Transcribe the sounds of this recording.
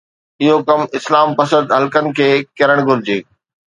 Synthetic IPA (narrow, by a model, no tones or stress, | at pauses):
ɪɦokɐmɪslaːmpɐsə̃nd̪ɦɐlkənɪ̆kʰeːkɐɾəɽ̃ɡʱʊɾɪd͡ʑeː